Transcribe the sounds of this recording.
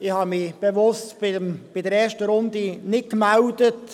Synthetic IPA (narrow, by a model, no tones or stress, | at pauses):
ɪhɑːmɪb̥evʊstbɪb̥ɪdəɾɛːʃtəɾʊndinɪt̚kmawdət